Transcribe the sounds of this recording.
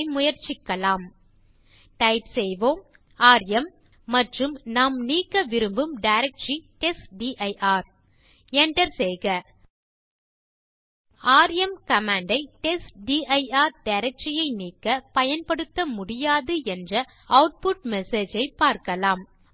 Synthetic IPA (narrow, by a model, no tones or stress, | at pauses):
ɪmʊjɐɾt͡ʃɪkːɐlaːm | ʈɐɪpsɛjʋoːm | aːɾɐmː | ɐʈrɯmnaːmniːkːɐʋɪɾɯmbɯmɖɐɪɾɐk̚ʈt͡ʃiʈɛsʈɖiʔɐɪʔaːɾ | ɛɳɖɐɾsɛjɣɐ | aːɾjɛmkɐmaːɳɖɐɪʈɛsɖiːʔɐɪaːɾɖɐɪɾɛk̚ʈt͡ʃɪjɐɪniːkːɐpɐjɐnpɐɽɯt̪ːɐmʊɽɪjaːðɯɛndrɐ | ɐʊʈ̚pʊʈ̚mɛseːd͡ʒɐɪpaːɾkɐlaːm